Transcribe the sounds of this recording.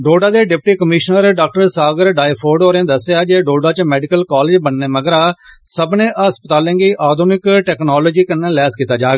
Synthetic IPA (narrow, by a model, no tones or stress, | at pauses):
ɖoːɖaːd̪eːɖɪp̚ʈiːkəmiːʃnəɾɖaːk̚ʈəɾsaːɡəɾɖaːipʰoːɖoːɾẽːd̪əsːejaːd͡ʒeːɖoːɖaːt͡ʃmɛːɖɪkəlkaːleːd͡ʒbənːeːməɡɾaːsəbnẽːʔəɦəspət̪aːlẽːɡiːʔaːd̪ʱuːnɪkʈɛːknaːloːd͡ʒiːkənːẽːlɛːskit̪aːd͡ʒaːɡaː